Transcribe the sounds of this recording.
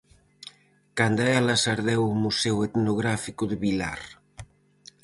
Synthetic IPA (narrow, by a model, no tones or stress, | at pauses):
kand̪aɛlasaɾðɛwumusɛwet̪noɣ̞ɾafikuðeβila̰r